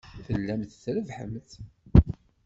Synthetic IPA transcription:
θəlːæmθθɾəvħə̰mθ

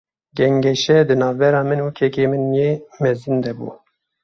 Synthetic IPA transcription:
ɡɛŋɡɛʃɛd̪ɨnɑːvbɛɾɑːmɨnwukʰɛkeːmɨnjeːmɛzɨnd̪ɛbṵ

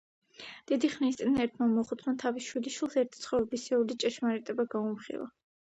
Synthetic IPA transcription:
d̪̥id̪iχnist̪sʼinɛɾt̪ʰmamɔχut̪ʰnant̪ʰavisʃwiliʃwilˠsɛɾt̪ʰit̪sʰχɔɾɛbisɛulit͡ʃʼɛʃmaɾɛt̪ʼɛbaɡaumχḭlˠa̰

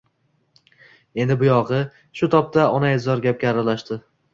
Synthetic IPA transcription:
e̞nd̪ɪbʊjɒʁɨ | ʃʊt̪ʰɒp̚t̪ʰaɒnaɪzɒɾɡʲap̚ɡʲaːɾalaʃt̪ɪ

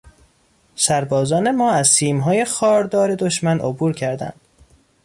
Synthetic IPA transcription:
sæɾbɒːzɒːne̞mɒːæzsiːmɦɒːje̞xɒːɾd̪ɒːɾe̞d̪o̞ʃmænʔo̰buːɾcʰæɾd̪æ̰nd̪̥

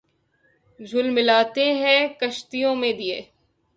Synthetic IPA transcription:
d͡ʒʱʊlmɪlaːt̪eɦɛ̃kɐʃt̪ijõmẽd̪ieː

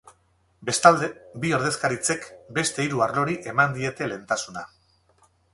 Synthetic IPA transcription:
salebio̞ɾð̞e̞skaɾit͡se̞kbe̞st̪e̞iɾuaɾlo̞ɾiʔe̞mand̪ie̞t̪e̞le̞ːnt̪asuna

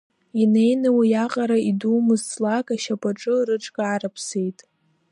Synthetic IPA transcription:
ine̞jnɨwijaqʼaɾaiduːmɨzt͡sʼlakʼaʃapʼaʈ͡ʂʼɨrɨʈ͡ʂʰʼkʼaʕaɾapʰse̞jtʼ

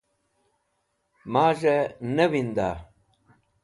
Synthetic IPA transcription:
maːʑɐnɐwind̪a̰ː

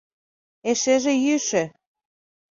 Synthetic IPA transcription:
eʃeʒĕjyʃɘ̆

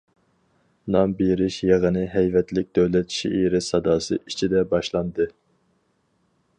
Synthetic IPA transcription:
nɑmbiɾɪʃjeʁənɨɦɛjvɛt̪lɪk̚ʲd̪øwlɛt̪ʃḭʔiɾɪsɑd̪ɑːsɨ̰ʔit͡ʃʰid̪ɛbɑʃlˠɑnd̪ɨ

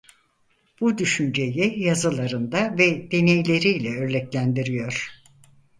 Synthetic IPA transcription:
b̥ud̪yʃynd͡ʒe̞jijazɯlˠaɾɯnd̪avɛd̪̥e̞nejlʲe̞ɾiːlʲɛøɾlʲɛclʲænd̪iɾijo̞ɾ̥

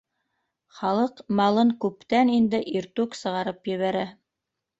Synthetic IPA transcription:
χɑlˠɤqmɑlˠɤŋkʉpt̪ænind̪ɘʔiɾt̪ʉksɤ̆ʁɑɾɤpjɘ̆βæɾæ

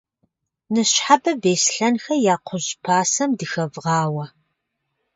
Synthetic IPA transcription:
nɨɕħabɐbeːsɬɐnxɐjaːqʷʰʊʑpʰaːsɐmdɨxɐvʁɑːwɐ

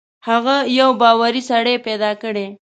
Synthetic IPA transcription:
haɣajawbɑːwaɾisaɽeped̪ɑkəɽe

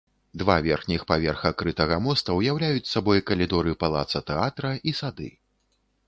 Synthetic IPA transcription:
d̪vavʲɛrxnʲixpavʲɛrxɐkɾɨt̪ɐɣɐmɔst̪ɐwjawlʲajut͡sʲsabɔjkɐlʲid̪ɔɾɨpalˠa̰t̪sɐt̪ɛat̪ɾɐisad̪ɨ̰

